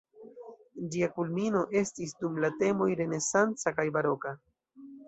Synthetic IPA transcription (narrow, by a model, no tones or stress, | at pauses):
d͡ʒiakulmino̞ʔe̞stis̬dumlate̞mo̞jɾe̞ne̞sant͡sakajbaɾo̞ka